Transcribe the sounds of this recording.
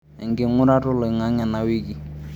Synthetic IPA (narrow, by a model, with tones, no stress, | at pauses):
ɛ̰˨ŋ˨ɡɪ˨ŋʊ˦ɾa˦tʊ˦lɔ˨i˨ŋa˨˦ŋa˨na˨wi˦ki˨